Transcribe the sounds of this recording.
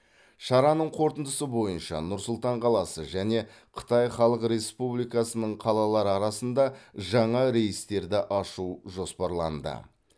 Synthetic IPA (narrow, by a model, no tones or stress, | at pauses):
ʃɑɾɑnəɴqʰo̞ɾt̪ənd̪əsəbo̞jənʃɑ̰nʊɾsʊlˠt̪ɑɴqʰɑlˠɑsəʒæne̞ | qʰə̥t̪ɑjχɑlˠəqɾe̞spublˠijkɑsənəɴqʰɑlˠɑlˠɑɾəɑɾɑsənd̪ɑʒɑɴɑɾe̞jɪst̪e̞ɾd̪ɪʔɑʃuʒo̞spɑɾlˠɑnd̪ə̰